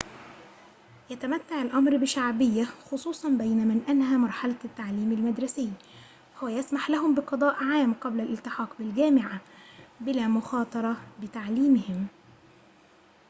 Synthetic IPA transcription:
jat̪æmæt̪ːaʕɪlʔɑmɾbɪʃaʕbɪjːaxʊsˤuːsˤɑnbæjnamanʔanhæːmɑɾˤħalat̪ːaʕliːmɪlmad̪ɾˤɑsɪjː | hʊwæjasmaħlaɦʊmbɪqɑd̪ˤɑːʔʕaːmqɑblælʔɪlt̪ɪħɑːqbɪlɡæːmɪʕabɪlæːmʊxɑːt̪ˤɑɾˤɑbɪt̪aʕliːmɪhɪm

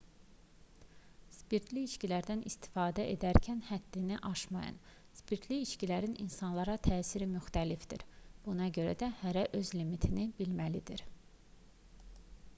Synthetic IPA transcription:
spiɾt̪ʰliiʃcilæɾd̪ænʔist̪i̥fɑːd̪æʔe̞d̪æɾcʰænhæd̪̥ːiniʔɑʃmɑ̰jɑ̰n | spiɾt̪ʰliiʃcilæɾinḭnsɑnlˠɑɾɑt̪ʰæːsiɾimyxt̪ælifd̪ḭɾb̥unɑɟø̞ɾæ̰d̪æhæɾæʔø̞zlimit̪ʰinibilmælid̪iɾ

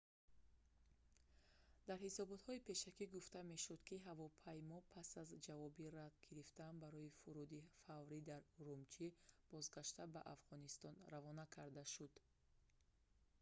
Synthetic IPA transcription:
d̪̥aɾhisɔbɔt̪hɔipʰe̞ʃakiɡuft̪ame̞ʃud̪kʰiɦavɔpʰajmɔpʰasazd͡ʒavɔbiɾat̪ɡiɾift̪ambaɾɔifuɾud̪ifavɾid̪aɾuɾumt͡ʃʰib̥ɔzɡaʃt̪abaʔafʁɔnist̪ɔnravɔnakʰaɾd̪aʃud̪̥

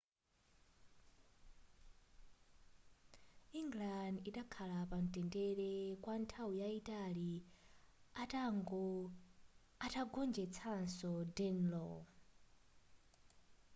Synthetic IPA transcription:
iŋɡlandiɗakʰalapan̩tʼɛndɛɾɛkwantʰawujaitʼali | aŋɡ | atʰaɡɔnd͡ʒɛt͡sʰansɔdɛnlɔ̰

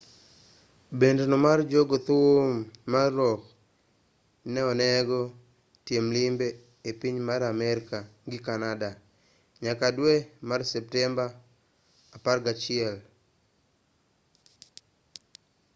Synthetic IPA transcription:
bendnomard͡ʒoɡot̪umːarːɔk | nɛɔnɛɡɔ | tjemlimbeː | piɲmaɾamɛɾkaŋɡɪkanada | ɲakadwemarsɛp̚tɛmbaː | parɡat͡ʃɪɛl

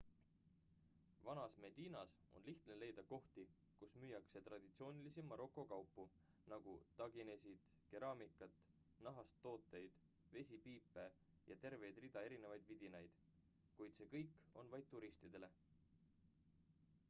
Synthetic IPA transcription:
vɑnɑsme̞d̪̥iːnɑs | o̞̰nliht̪nele̞jd̪̥ɑko̞ht̪i | kusmyjːɑkse̞t̪rɑd̪̥it̪sio̞ːnʲilisimɑɾʔo̞kˑːo̞kɑwpːu | nɑɡ̥ṵt̪ɑɡine̞sʲid̪̥ | ke̞ɾɑːmikːˑɑt̪ˑ | nɑɦɑst̪ːo̞ːt̪ːˑe̞jd̪̥ | ve̞sʲipiːpˑːe | jɑ̰t̪e̞rve̞jd̪rid̪̥ɑe̞ɾine̞vɑjd̪̥vid̪̥inɑjd̪̥ | kujd̪̥se̞ːkɤjkːˑo̞̰nvɑjd̪̚t̪ːuɾist̪id̪̥e̞le̞

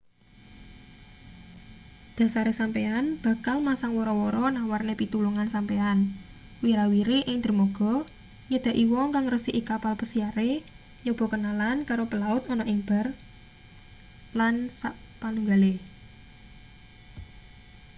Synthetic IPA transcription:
d̪̥ä̤saɾesampeanb̥ä̤kalmasaŋwɔɾɔwɔɾɔnawarnepit̪uluŋansampean | wiɾawiɾeʔɪŋd̪̥ə̤rmoɡ̥ɔ̤ | jəd̪̥a̤ʔiwɔŋkaŋrəsiʔikapalpəsiaɾe | jɔb̥ɔ̤kənalankaɾopəlaʊt̪ɔnɔʔɪŋb̥ər | lansa | panuŋɡale

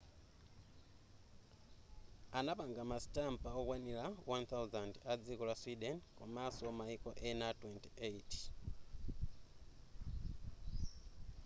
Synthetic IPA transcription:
anapaŋɡamastampaokwanilawant̪ʰawzandad͡zikɔlaswidɛnkumasɔɔmaikɔʔenatwɛntieit

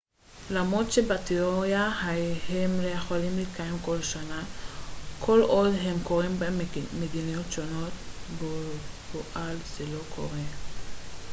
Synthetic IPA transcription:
lamotʃebat̪iʁojahahemlejaχalimlikajemko̞lʃana | kʰo̞lʔodɦemkoʁimbemed̪inijotʃono̞tboboʔalʃelo̞kʰo̰ʁe

